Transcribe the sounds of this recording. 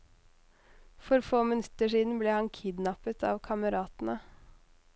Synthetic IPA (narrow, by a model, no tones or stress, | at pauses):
fɔɾfoːmɪnʉt̪ːəʂiːd̪n̩bleːhɑnkʰɪd̪nɑpət̪ʰɑ̰ːʋkʰɑməɾɑːt̪n̩ə